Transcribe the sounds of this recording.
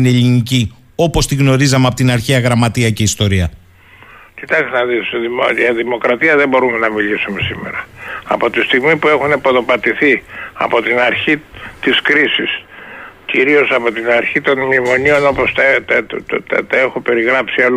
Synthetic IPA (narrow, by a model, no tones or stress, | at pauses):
neeʎinici | o̞po̞st̪iɣno̞ɾizɐmeɐpo̞t̪inɐɾçiɐɣɾɐmɐt̪iɐce̞ist̪o̞ɾiɐ | cit̪ɐksnɐðisðiɐðimo̞kɾɐt̪iɐðe̞bo̞ɾume̞nɐmilisume̞sime̞̰ɾɐɐ̰po̞t̪ist̪iɣmipue̞xunepoðo̞pɐt̪iθiɐ̰po̞t̪inɐɾçit̪iskɾisisciɾio̞sɐpo̞t̪inɐɾçit̪o̞nmimo̞nio̞no̞post̪ | t̪t̪ɐe̞xope̞ɾiɣɾɐpsiɐl